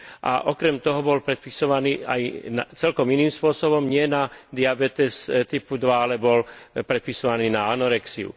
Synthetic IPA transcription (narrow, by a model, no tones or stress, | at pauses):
ʔa̰ʔɔkɾɛmt̪ɔɦɔbɔlpɾɛt̪̚pisɔʋaniːa̰jnat͡sɛlkɔminiːmspʊɔsɔbɔmɲɪɛnad̪iabɛt̪ɛst̪ipud̪ʋaalɛbɔlpɾɛt̪pisɔʋaniːnaanɔɾɛksiṵ